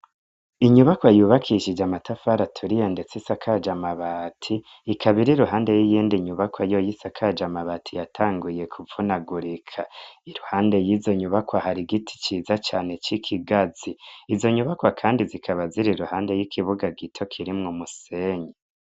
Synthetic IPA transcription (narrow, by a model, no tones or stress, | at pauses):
iɲuβakwajuːβakʰiʃid͡ʒamatʰafaɾatʰuɾijende̞t͡sisakʰad͡ʒamaβatʰiː | kʰaβiɾiɾuɦaːnde̞jijiːndiɲuβakwajojisakʰad͡ʒamaβatʰijatʰaːŋɡuje̞kʰuvunaɡuɾikʰaiɾuhaːnde̞jizo̞ɲuβakwahaɾiɡitʰi̥t͡ʃiːzat͡ʃaːne̞t͡ʃikʰiɡaz̥iːzo̞ɲuβakwakʰaːndizikʰaβaziɾiɾuhaːnde̞jikʰiβuɡaɡitʰo̞kʰiɾimŋomuse̞ːɲe